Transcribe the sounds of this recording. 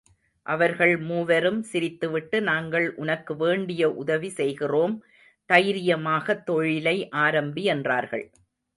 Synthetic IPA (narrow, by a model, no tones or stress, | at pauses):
ʔɐʋɐɾɣɐɭmuːʋɐɾɯmsɪɾɪt̪ːɯʋɪʈːɯnaːŋɡɐɭʔʊnɐkːɯʋeːɳɖɪjɐʔʊðɐʋisɛjɣɪroːm | t̪ɐjɾɪjɐmaːɣɐt̪ːɔɻɪlɐɪʔaːɾɐmbiɛndraːɾɣɐ̰ɭ